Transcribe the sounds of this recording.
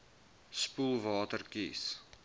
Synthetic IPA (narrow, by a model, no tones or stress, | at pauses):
spulˠvɑːtərkḭs